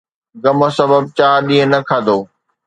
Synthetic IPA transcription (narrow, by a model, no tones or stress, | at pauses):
ɡɐməsɐbəb̚t͡ɕaːɾɗĩːɦə̃nɐkʰaːd̪oː